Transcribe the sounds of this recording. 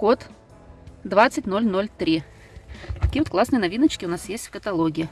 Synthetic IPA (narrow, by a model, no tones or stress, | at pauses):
kot̪ | d̪vat̪sətʲnolʲnolʲt̪ɾʲi | k̪ɐkʲiːəvot̪klˠasnɨjənɐvʲinət͡ɕkʲɪʊnasjesʲtʲfkət̪ɐlˠoɡʲɪɪ